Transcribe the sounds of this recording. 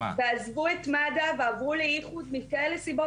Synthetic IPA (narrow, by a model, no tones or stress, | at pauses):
veazvuet̪mad̪aveavʁulejiχud̪mikaelesibo